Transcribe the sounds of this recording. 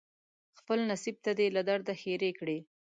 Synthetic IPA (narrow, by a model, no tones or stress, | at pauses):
xpəlnasib̚t̪ad̪elad̪aɾd̪axeɾekɽe